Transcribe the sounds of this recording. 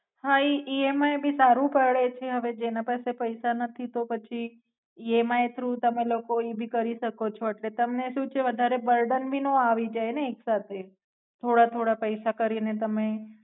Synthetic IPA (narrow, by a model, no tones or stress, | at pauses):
haiʔiemaebʱisaɾũpəɭet͡ʃʰeɦəʋed͡ʒenapasepəjsanət̪ʰit̪opət͡ʃʰi | iemaet̪ʰɾũt̪əmelokoibʱikəɾiʃəkot͡ʃʰoeʈlet̪əmneʃũt͡ʃʰeʋəd̪ʱaɾebəɾɖənbʱinoaʋid͡ʒajneːksat̪ʰe | t̪ʰoɽat̪ʰoɽapəjsakəɾinet̪əme